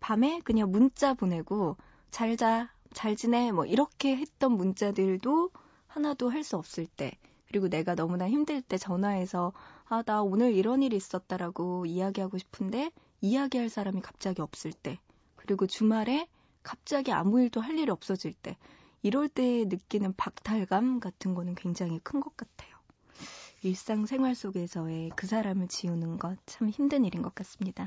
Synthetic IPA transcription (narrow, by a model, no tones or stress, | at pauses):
pame̞kɯɲaŋmunt͡ɕ͈abone̞ɡo | t͡ɕaɭd͡ʑa | t͡ɕaɭd͡ʑine̞mʌ̰ʔiɾʌkʰe̞ɦe̞t͈̚ʌnmunt͡ɕ͈adɯɭdo | hanadoɦaɭs͈uʌp̚s͈ɯɭt͈e̞̰ | kɯɾiɡone̞ɡanʌmunaçimdɯɭt͈e̞t͡ɕʌnae̞sʰʌadaonɯɾiɾʌniɾiːs͈ʌt̚t͈aɾaɡoiaɡiɦaɡoɕʰi̥pʰɯnde̞ | ijaɡiɦaɭs͈ʰaɾamikḁp̚t͡ɕ͈aɡiʌp̚s͈ɯɭt͈e̞ | kɯɾiɡot͡ɕumaɾe̞ | kap̚t͡ɕ͈aɡia̰muiɭdoɦaʎːiɾiʌp̚s͈ʌd͡ʑiɭt͈e̞ | iɾʌɭt͈e̞nɯk͈inɯnpak̚tʰaɭɡamɡatʰɯnɡʌnɯnkwe̞ŋd͡ʑaŋɦikʰɯnɡʌk̚k͈atʰe̞jo | iɭs͈aŋsʰe̞ŋɦwaɭs͈oɡe̞sʰʌwe̞kɯs̬ʰaɾamɯɭt͡ɕiunɯnɡʌt͡ɕʰamçimdɯɲiɾinɡʌk͈as͈ɯmɲida